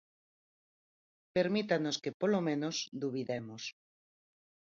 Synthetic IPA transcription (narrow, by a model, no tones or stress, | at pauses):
peɾmit̪anoskepolomẽnosd̪uβ̞iðemos